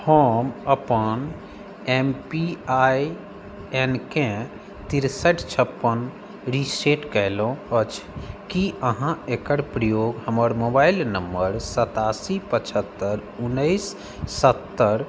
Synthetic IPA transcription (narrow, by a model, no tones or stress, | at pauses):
həməpən | empiaj | enkẽ | t̪iɾsəʈʰt͡ʃʰəpːən | ɾiseʈkəɦlõət͡ʃʰkiəɦãekəɾpɾəjoɡɦəməɾmobailnəmːəɾsət̪asipət͡ʃʰət̪ːəɾunːəɪsː | ət̪ːəɾ